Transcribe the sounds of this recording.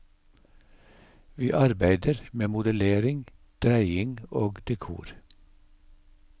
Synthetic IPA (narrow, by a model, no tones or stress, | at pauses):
ʋiːʔɑɾbæɪd̪əɾmeːmʊd̪əleːɾɪŋd̪̥ɾæɪɪŋoːɡd̪̥ɛkʰṵːɾ